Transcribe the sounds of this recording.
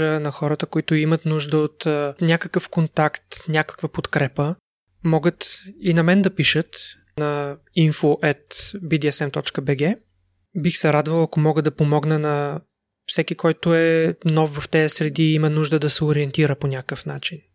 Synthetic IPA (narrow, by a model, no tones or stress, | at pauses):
ənɐxɔɾət̪əkoit̪ʊimət̪nuʒd̪əot̪ːnʲakəkəfkont̪akt̪nʲakə̥kvəpot̪kɾɛpə | mɔɡət̪inɐmɛnd̪ɐpiʃət̪ | nɐ | infoʔɛt̪bid̪iɛsɛmt̪ɔt͡ʃkəbɛɡɛ | bixsɛɾad̪vəlˠɐkomɔɡəd̪ɐpomɔɡnənɐ | fsɛkikɔjt̪ʊɛnɔfvɐft̪ɛsɾɛd̪iimənuʒd̪əd̪ɐsɛoɾiɛnt̪iɾəponʲakəfn̪at͡ʃin